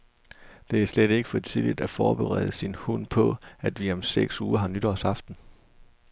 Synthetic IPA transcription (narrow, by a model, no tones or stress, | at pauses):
d̥e̝æɐsleɾ̥e̝ɡ̥əfɒ̽t͡sʰiðˠlid̥æfɒːb̥e̝ʁɛ̰ːð̞ˠəsinhun̰pʰɒ̽æd̥ʋiɒ̽mseɡ̥suːɐɦɑ̈nyd̥ɒsɑ̈fd̥n̩